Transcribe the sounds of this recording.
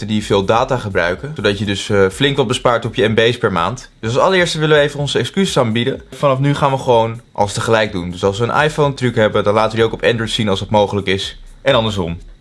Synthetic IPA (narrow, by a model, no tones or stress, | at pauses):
tədivɪːlˠdaːtaːχəbrœ̰ɥkəodɑtjədɵsflɪŋkʋɑt̚bəspaːɹtɔpjəɛmbejspɛɹma̰ːntd̥øslsɑləɹɪːɹstʋɪləʋəejvənɔnzəɛkskysəsaːnbidəfɑnɑfnyχaːnʋəχəʋownʔɑ̰lˠstəχəlɛjk̚dundɵsɑlˠsʋəːnʔa̰jfowntrykɦɛbədɑnlaːtəʋəjəowkɔpɛndɹətsinɑlˠsɑt̚mowχələkɪs | ʔɛnɑndəɹs̬ɔm